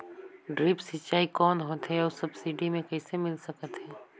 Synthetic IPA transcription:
ɖɾiːpsɐt͡ʃːaːikɔːnɦoːt̪ɦɛɔːɾsɐbsiːɖimẽkɛːsemɪlsɐkət̪ɦɛː

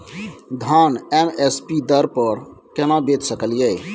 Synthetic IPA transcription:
d̪ʱanemespid̪əɾpəɾkenãbet̪səkəljɛ

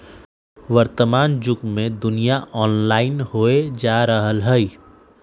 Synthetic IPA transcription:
ʋəɾt̪əmaːnd͡ʒʊkmẽd̪ʊnijaʔɔːnlaːɪnɦoːed͡ʒaːɾəɦəlɦɛi

